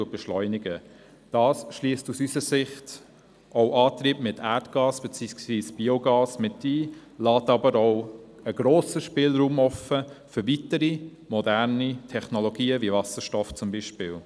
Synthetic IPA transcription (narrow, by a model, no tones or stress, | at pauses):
uəb̥ɛʃlɔʏnɪɡə | d̥ɑːsʃliəstusysəɾsɪχt | ʔoʊʔɑːtɾiːpmɪtʰæɾtɡ̥ɑːsb̥ɛt͡siːksʋiːsb̥ioɡɑːsmɪtdiːlɑːtɑbəɾɔʊ | əɡɾoːsəʃpɪːlɾuːmɔfəfʏɾvitəɾi | mɔdæɾnitʰɛχnɔloɡiːəvivɑsəɾʃtɔft͡sʊmbiʃpɪːl